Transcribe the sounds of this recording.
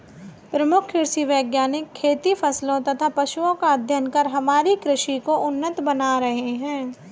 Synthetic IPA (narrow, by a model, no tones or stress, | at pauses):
pɾɐmʊkʰɪɾsiʋəːɡjaːnɪkʰːeːt̪ifʰɐslõt̪ɐt̪ʰapɐʃuõkaəd̪ʱjənkɐɾɦɐmaːɾikɾɪʃikoʔʊnːət̪bɐnaɾɐɦeɦɛ̃ː